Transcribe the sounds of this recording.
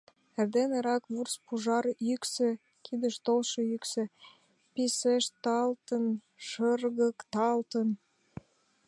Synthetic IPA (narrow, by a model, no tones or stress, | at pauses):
erd̪eneɾɑkβurspuʒɑrjyksĕ | kʰid̪əʃt̪olʃejyksĕ | piseʃt̪ɑlt̪ən | ʃərɣəkt̪ɑlt̪ən